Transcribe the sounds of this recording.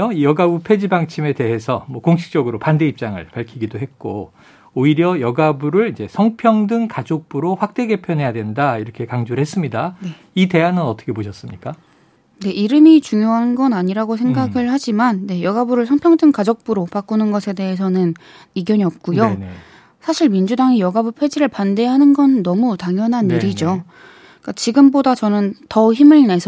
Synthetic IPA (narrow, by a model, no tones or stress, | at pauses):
oijʌɡaupʰe̞d͡ʑibaŋt͡ɕʰime̞te̞ɦe̞sʰʌmwʌkoŋɕʰi̥k̚t͡ɕ͈ʌɡɯɾopande̞ip̚t͡ɕ͈aŋɯ̰ɭpaɭkʰiɡidoɦe̞t̚k͈o | oiɾjʌjʌɡabuɾɯɭid͡ʑe̞sʰʌŋpʰjʌŋdɯŋkad͡ʑok̚p͈uɾoɸwak̚t͈e̞ɡe̞pʰjʌnɦe̞jadwe̞ndaiɾʌkʰe̞kaŋd͡ʑuɾɭɦe̞s͈ɯmɲidane | ite̞ɦanɯnʌt͈ʰʌkʰe̞poɕʰʌs͈ɯmɲik͈a | ne̞ʔiɾɯmit͡ɕuŋjoɦanɡʌnaɲiɾaɡosʰe̞ŋɡaɡɯɭhad͡ʑimanːe̞jʌɡabuɾɯɭsʰʌnpʰjʌŋdɯŋkad͡ʑok̚p͈uɾopak͈unɯnɡʌsʰe̞de̞esʰʌnɯn | iɡjʌɲiʌp̚k͈ujo | sʰaɕʰiɭmind͡ʑudaŋijʌɡabupʰwe̞d͡ʑiɾɯɭpande̞ɦanɯnɡʌnːʌmutaŋjʌnɦaniɾid͡ʑo | k͈at͡ɕiɡɯmbodat͡ɕʌnɯntʌçimɯɭne̞sʰ